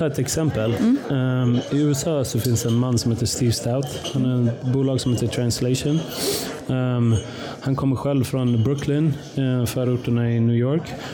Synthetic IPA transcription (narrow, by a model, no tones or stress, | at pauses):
t̪ʰɑːɛt̪ɛksɛmpəl | ɪʉ̟ːɛsɑːsɔfɪnsd̪ɛɛnmanːsɔmheːt̪əʂt̪iːvst̪aʊt̪hanæɾɛbuːlɑːɡsɔmheːt̪əʈʰɾanslɛɪʂɔn | hankʰɔmːəɾɧɛlvfɾɔnbɾʊkʰlɪn | fœːɾʊʈːəɳaɪnʉːjoːɾk